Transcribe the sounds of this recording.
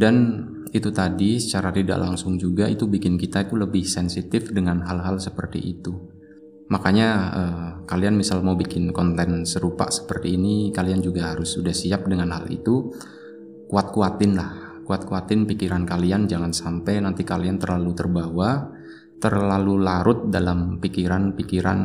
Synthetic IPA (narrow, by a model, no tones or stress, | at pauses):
dan | it̪ut̪adisə̥t͡ʃaɾat̪ida̰ʔla̰ŋsʊŋd͡ʒuɡait̪ubikɪnkit̪ait̪uləbɪhsɛnsit̪ɪfdəŋanɦalɦalsəpərt̪ḭʔḭt̪u | makaɲaəːkalianmisalmaubikɪnkɔnt̪ɛnsəɾupa̰ʔsə̥pərt̪iːnikaliand͡ʒuɡaɦaɾʊsudahsiap̚dəŋanɦalḭt̪u | kuat̪̚kuat̪ɪnlahkuat̪̚kuat̪ɪnpikiɾankaliand͡ʒaŋansampɛjnant̪ikaliant̪ərlalut̪ərbawa | t̪ərlalulaɾʔʊt̪̚dalampikiɾanpikiɾa̰n